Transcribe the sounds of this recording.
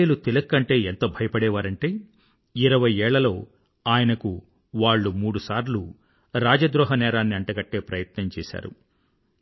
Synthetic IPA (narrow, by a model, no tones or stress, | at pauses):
lut̪ilɐkːɐɳʈe̞ːent̪ɐbʱɐjɐpɐɽɛːʋaːɾɐɳʈe̞ː | iɾɐʋɐjɛːɭːɐlo̞ː | aːjɐnɐku | ʋaːɭːumuːɽusaːɾlu | ɾaːd͡ʒɐd̪ɾɔːɦɐnɛːɾaːnːiɐɳʈɐɡɐʈːe̞ːpɾɐjɐt̪nɐmt͡ʃɛːsa̰ːɾṵ